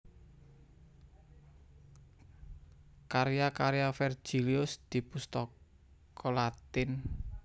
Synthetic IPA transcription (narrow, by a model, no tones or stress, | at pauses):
kaɾijakaɾjafɛr̥d͡ʒ̥i̤liʊsd̪̥i̤pust̪ɔk | kʰɔlat̪ɪn